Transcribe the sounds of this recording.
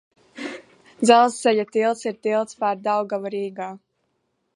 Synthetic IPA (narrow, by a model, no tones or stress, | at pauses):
d̪zalˠsːɛjat̪ilˠt̪siɾt̪ilˠt̪spaɾd̪awɡavaɾiːɡaː